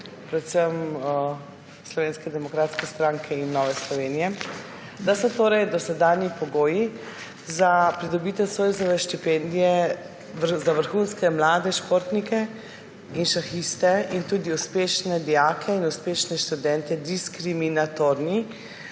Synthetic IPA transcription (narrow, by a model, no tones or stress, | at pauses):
pɾɛt̪səm | slɔʋeːnskɛd̪ɛmɔkɾaːt̪skɛst̪ɾaːŋkʰɛinːɔːʋɛslɔʋeːnijɛ | d̪asɔt̪oːɾɛjd̪ɔsɛd̪aːnjipɔɡoːji | zapɾid̪ɔbiːt̪ɛwsoːjzɔʋɛʃt̪ipɛnd̪ijɛ | zaʋəɾxunskɛmlaːd̪ɛʃpoɾt̪nikɛ | inʃaxist̪ɛint̪uːd̪iuspeːʃnɛd̪ijaːkʰɛinuspeːʃnɛʃt̪ud̪ɛnt̪ɛd̪iskɾiminat̪oɾni